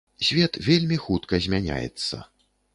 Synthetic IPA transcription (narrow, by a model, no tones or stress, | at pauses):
sʲvʲɛt̪vʲelʲmʲixut̪kɐzʲmʲanʲa̰jɛ̰t̪sːɐ̰